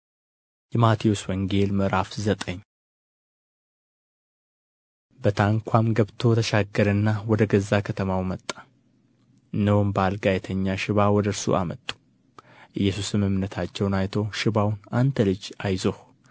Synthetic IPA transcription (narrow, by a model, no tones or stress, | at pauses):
jɛmat̪ʰijoswɔŋɡe̞lmɨɾafzət̪ʼəɲː | bət̪ʰaŋkʷʰamɡəβt̪ʰo̞t̪ʰəʃaɡːəɾənːawɔd̪əɡəzːakʰət̪ʰəmawmət̪ʼːḁ | ɨnːəwombalɡajɛt̪ʰəɲːaʃɪβawɔd̪əɾsṵʔamət̪ʼu̥ | ʔɨjːɛsusɨmɨmnət̪ʰat͡ʃːɛwnajt̪ʰowʃɪbawnant̪ʰəlɨd͡ʒajzoh